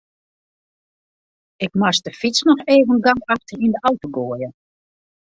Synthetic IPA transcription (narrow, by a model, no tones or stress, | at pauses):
ɪkmastəfisnɔxeːvənɡaŋkaxtərindəawtoɡoəjə